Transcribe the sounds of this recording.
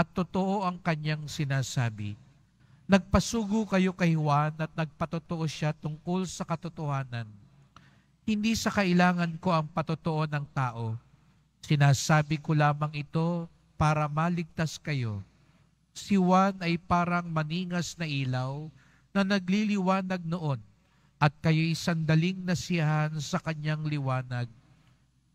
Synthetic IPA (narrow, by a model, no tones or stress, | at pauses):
ʔɐt̪ːot̪oʔo̞ʔɐŋkɐɲaŋsɪnaːsaːbɪ̰ | nɐɡ̚pɐsuːɡʊkɐjo̞kɐjhwanɐt̪̚nɐɡ̚pɐt̪ʊt̪oʔo̞ʃat̪ʊŋko̞lsɐkɐt̪ot̪ohaːnɐn | hɪnd̪isɐkɐʔɪlaːŋɐnko̞ʔɐŋpɐt̪ʊt̪oʔo̞nɐŋt̪aːʔo̞ | sɪnaːsaːbɪko̞laːmɐŋɪt̪o̞ | paːɾɐmaːlɪɡ̚t̪askɐjo̞ | sɪwanɐjpaːɾɐŋmɐniːŋɐsnɐʔiːlɐw | nɐnɐɡ̚lilɪwaːnɐɡ̚noʔo̞n | ʔɐt̪̚kɐjo̞jsɐnd̪ɐlɪŋnɐsɪɐɦansɐkɐɲːaŋlɪwaːnɐɡ̚